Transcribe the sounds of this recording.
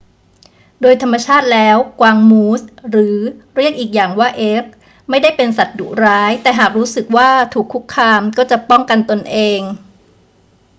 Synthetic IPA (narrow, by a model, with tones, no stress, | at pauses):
doː˧jt̪ʰa˧mːa˧t͡ɕʰaː˥˩t̪̚lɛː˦˥wkwaː˧ŋmuː˦˥sɾɯː˩˦ɾi˥˩ək̚ʔiː˨˩k̚jaː˨˩ŋwaː˥˩ʔeː˦˥k̚ | ma˥˩jda˥˩jpe˧nsa˨˩t̪̚dṵ˨˩ɾaː˦˥jt̪ɛː˨˩ɦaː˨˩k̚ɾuː˦˥sɯ˨˩k̚waː˥˩t̪ʰuː˨˩kʰːu˦˥kʰːaː˧mkɔː˥˩t͡ɕa˨˩ʔpɔ˥˩ŋka˧nt̪o˧nʔeː˧ŋ